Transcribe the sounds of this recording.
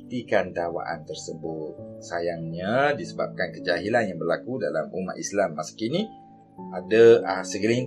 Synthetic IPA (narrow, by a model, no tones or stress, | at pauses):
t̪ikandawa̰ʔa̰nt̪ərsəbʊt̪̚sajaŋɲadisəba̰p̚kankəd͡ʒaɦilanjaŋbərlakudala̰muma̰t̪islamːaskini | adaəsəɡəlin